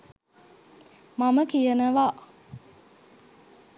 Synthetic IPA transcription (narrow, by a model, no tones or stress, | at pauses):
maməkijənəʋa